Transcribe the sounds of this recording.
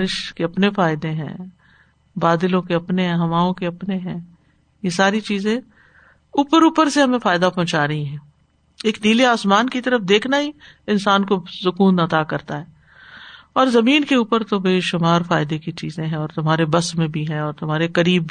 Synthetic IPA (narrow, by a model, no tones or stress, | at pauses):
ɾɪʃkeɐpnefaːɪd̪ẽɦɛ̰̃ː | baːd̪ɪlõkeɐpneɦɛ̃ɦɐmaːõkeɐpneɦɛ̰̃ː | jesaːɾit͡ʃiːzẽ | uːpəɾuːpəɾseɦɐmẽfaːɪd̪apɔ̃ɦʊ̃t͡ʃaːɾɐɦĩɦɛ̃ː | eːkniːliaːsmaːnkit̪ɐɾəfd̪eːkʰnaɦi | ɪnsaːnkosʊkuːnɐt̪akɐɾt̪aɦɛː | ɔːɾzɐmiːnkeuːpəɾt̪obeːʃʊmaːɾfaːɪd̪ekit͡ʃiːzẽɦɛ̃ɔːɾt̪ʊmɦaːɾebɐsmẽbʱiɦɛ̃ɔːɾt̪ʊmɦaːɾekɐɾiːb